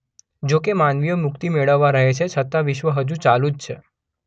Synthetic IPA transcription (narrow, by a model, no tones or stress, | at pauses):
d͡ʒokemanʋijomʊk̚t̪imeɭəʋːaɾəɦet͡ʃʰet͡ʃʰət̪aʋɪʃʋəɦəd͡ʒũt͡ʃalud͡ʒt͡ʃʰe